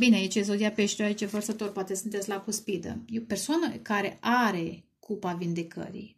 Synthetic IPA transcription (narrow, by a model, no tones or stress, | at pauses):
bineait͡ʃezod̪iapeʃt̪eoait͡ʃevərsət̪o̞rpoat̪esunt̪etsʲlakuspid̪ə̰jepe̞rsoanəkaɾe̞ʔaɾe̞ | kʰupavind̪e̞kə̰ɾḭj